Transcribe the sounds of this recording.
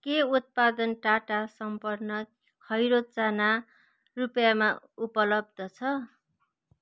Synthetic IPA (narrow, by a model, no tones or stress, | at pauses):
keut̪̚pad̪ʌnʈaʈasʌmpʌrnʌ | kʰʌjɾot̪̚t͡sana | rupjama | upʌlʌb̚d̪ʌt͡sʰʌ